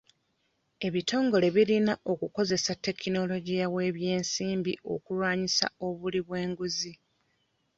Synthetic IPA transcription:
e̞βito̞ːŋɡo̞le̞βilinaʔo̞kuko̞ze̞satːe̞kino̞lo̞ɟijawe̞ːβje̞ːnsiːmbiʔo̞̰kulwaːɲisa̰o̞βuliβwe̞ːŋɡuzi

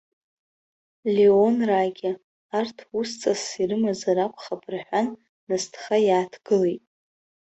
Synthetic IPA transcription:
lʲeonraɡʲɪ | artʰwust͡sʼasirɨmazaɾakʷʰʼχapʰʼrħʷᶣanː | astʰχajaːtʰɡ̥ɨlejtʼ

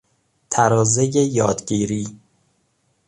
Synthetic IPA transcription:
t̪ʰæɾɒːzejejɒːd̪ɟiːɾiː

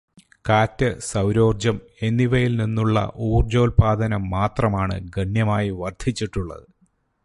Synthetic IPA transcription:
kaːtːɐsɐwɾo̞ːrd͡ʑɐme̞nːiʋɐjilninːuɭːɐ̰ʔuːrd͡ʑo̞ːlpaːd̪ʱɐnɐmːaːt̪rɐmaːɳɨ̰ɡɐɳjɐmaːjiʋɐrd̪ʱit͡ɕːiʈːuɭːɐ̰ðɨ

